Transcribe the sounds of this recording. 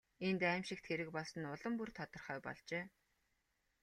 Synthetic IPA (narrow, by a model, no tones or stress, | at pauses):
ent̪æːmʃɪ̆kt̪xeɾɘ̆kpɔɮsə̆nʊɮə̆mpurt̪ʰɔt̪ɞ̆rχœːpɔ̰ɮt͡ɕeː